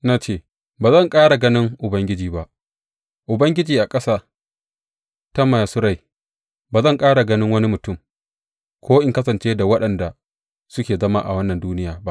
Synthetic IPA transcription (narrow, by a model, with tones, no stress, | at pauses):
na˦t͡ʃeː˦˨ | baː˨zɐ˦˨ŋkʼaː˦ɽa˨ɡɐ˦nɪ˦ŋʔʊ˨bɐ˦ŋɡʲɪ˦d͡ʒiː˨ba˦ʔ | ʔʊ˨bɐ˦ŋɡʲɪ˦d͡ʒiː˨ʔa˨kʼɐ˦saː˦ | ta˦ma˨ja˨sʊ˦ɾa˨j | baː˨zɐ˦˨ŋkʼaː˦ɽa˨ɡɐ˦nɪ˦ŋwɐ˦ni˦mʊ˨tʊ˦˨m | kʷʰoː˦ʔɪ˨ŋkɐ˦sɐ˨nt͡ʃeː˦da˨wɐ˦ɗɐ˨nda˨ | sʊ˦kʲeː˨zɐ˦ma̰˦ʔa̰˨wɐ˦nːɐ˨nduː˦nɪ˦jaː˨ba˦ʔ